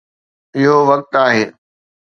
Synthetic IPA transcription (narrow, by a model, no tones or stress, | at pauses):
ɪɦoʋɐk̚t̪aːɦeː